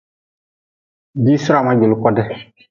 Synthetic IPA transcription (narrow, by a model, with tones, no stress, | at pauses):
biː˦sʊ˦ɾa˨ma˦d͡ʒɪ˨lʊ˨˦kɔ˦dɛ˦